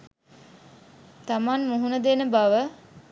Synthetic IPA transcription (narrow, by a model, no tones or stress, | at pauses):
t̪amanmuɦunəd̪enəbaʋə